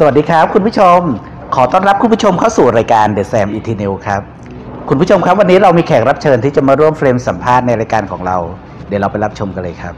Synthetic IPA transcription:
sa˧wa˨˩diː˧kʰa˦˥p̚kʰu˧npu˥t͡ɕʰo˧m | kʰɔː˩˦t̪ɔː˥˩nɾa˦˥p̚kʰu˧npʰu˦˥t͡ɕʰo˧mkʰa˥˩wsuː˨˩ɾaː˧jkaː˧ndeː˨˩t̪̚sɛː˧mʔiː˧t̪ʰiː˧ne˧wkʰɾa˦˥p̚ | kʰu˧npʰu˥t͡ɕʰo˧mkʰa˦˥p̚wa˧nːiː˦˥ɾa˧wmiː˧kʰɛː˨˩ŋ̚ɾa˦˥p̚t͡ɕʰɤː˧nt̪ʰiː˥˩t͡ɕa˨˩maː˧ɾu˥˩əmfɾeː˧msa˩˦mpʰaː˥˩t̪̚na˧jɾaː˧jkaː˧nkʰɔː˩˦ŋɾa˧w | di˨˩˦wɾa˧wpa˧jɾa˦˥p̚t͡ɕʰo˧mka˧lɤː˧jkʰa˦˥p̚

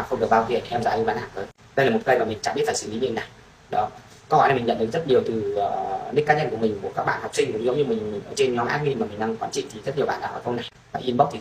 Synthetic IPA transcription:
a˨˩xə˧wŋ͡mɗəvaː˧vḭ˧˨˩ənʰi˨ʔɛ˧mza̰ː˧˩ɲɨ˧˩ɓaː˧nhaː˨˩ŋʔəː˧˩j | ɗə˧jlaː˨˩m˨˩t̚kə˧jmaː˨˩mi˨˩ŋ̟t͡ɕaː˧˩ɓi˦˥t̚faː˨˩sɨ˧˩˨lḭ˨˦ɲi˧˨na˨˩j | ɗɔ˨˦ | kɔː˨˧˦hɔ̰˧˨ja˨˩mi˨˩ŋɲə˧˨ɗkzt̚ɲi˨˩əwt̪ɨː˨˩˨ɗi˦˥kːaː˦˥ɲə˧nku˧˩əmï˨˩ŋ̟ku˧˩əkaː˦˥k̚ɓa̰˧˨hɔ˨˩w̚k͡psï˧ŋ̟ɗɨ˨˦ŋ͡mzɨ̰˧˦ŋ͡mɲɨ˧mï˨˩ŋmï˨˩ŋ̟ʔəː˨˦t͡ɕe˧nɲɔ˨˦mʔaː˦˥ŋi˧maː˨˩mi˨˩ŋ̟ɗa˧ŋ˨˩kwaː˧˦nt͡ɕḭ˧˨nt̪ʰi˨˩zə˦˥t̚ɲ˨əwɓa̰ː˧˨ɗa̰ː˧˩ʔəː˨˩kə˧wna˨˩j | vaː˨˩ʔi˧ənɓə˦˥k͡p̚t̪i˨˩

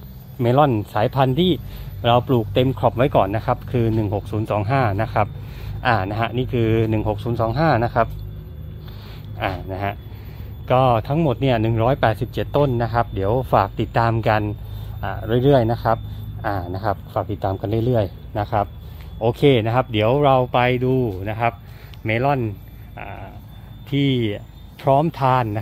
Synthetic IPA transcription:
meː˧lɔ˥˩nsaː˩˦jpʰa˧nt̪ʰiː˥˩ɾa˧wpluː˨˩k̚t̪e˧mkʰɾɔ˨˩p̚wa˦˥jkɔː˨˩nːa˦˥kʰa˦˥p̚kʰɯː˧nɯ˨˩ŋho˨˩k̚suː˩˦nsɔː˩˦ŋɦaː˥˩na˦˥kʰa˦˥p̚ | ʔaː˨˩na˦˥ɦa˦˥ʔniː˥˩kʰɯː˧nɯ˨˩ŋho˨˩k̚suː˩˦nsɔː˩˦ŋɦaː˥˩na˦˥kʰa˦˥p̚ | ʔaː˨˩na˦˥ɦa˦˥ʔ | kɔː˥˩t̪ʰa˦˥ŋmo˨˩t̪̚ni˥˩ɐnɯ˨˩ŋɾɔː˦˥jpɛː˨˩t̪̚si˨˩p̚t͡ɕe˨˩t̪ːo˥˩nːa˦˥kʰa˦˥p̚di˩˦əwfaː˨˩k̚t̪i˨˩t̪ːaː˧mka˧nʔaː˨˩ɾɯ˥˩əjɾɯ˥˩əjna˦˥kʰɾa˦˥p̚ʔaː˨˩na˦˥kʰa˦˥p̚faː˨˩k̚t̪i˨˩t̪ːaː˧mka˧nɾɯ˥˩əjɾɯ˥˩əj | na˦˥kʰa˦˥p̚ʔoː˧kʰeː˧na˦˥kʰa˦˥p̚di˩˦əwɾa˧wpa˧jduː˧na˦˥kʰa˦˥p̚ | meː˧lɔ˥˩n | ʔa̰ː˨˩ | t̪ʰiː˥˩ | pʰɾɔː˦˥mt̪ʰaː˧nː˥

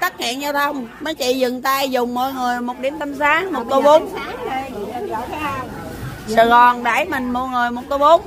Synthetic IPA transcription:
t̪a˦˥t̚hḭ˧˨nzaː˧wt̪ʰə˧wŋ͡mmə˨˦t͡ɕḭ˧˨zɨ˨˩ŋt̪aː˧jzʊ˨˩ŋ͡mmɔ̰˧˨jŋɨ˨˩əjmo˨˩t̚ɗi˧˩əmt̪a˧msaː˨˦ŋmo˨˩t̚t̪o˧ɓo˨˦m˦˧˨ | səː˨˩ɣɔ˨˩nɗa̰˧˩jmï˨˩ŋ̟mo̰˧˨jŋɨ˨˩əjmo˨˩t̚t̪o˧wɓo˨˦ŋ͡m

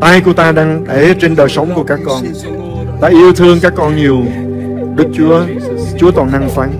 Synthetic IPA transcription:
t̪a˧jku˧˩ət̪aː˧ɗaː˧ŋɗe˧˩t͡ɕe˧nɗəː˨˩jsə˨˦wŋ͡mku˧˩əkaː˦˥kːɔ˧n | t̪a̰ː˧ʔi˧əwt̪ʰɨ˧əŋkaː˦˥kːɔ˧nɲi˨˩əw | ɗɨ˦˥k̚t͡ɕu˨˦ə | t͡ɕu˨˦ət̪ɔ˨˩nʔa˧ŋfa˨˦n

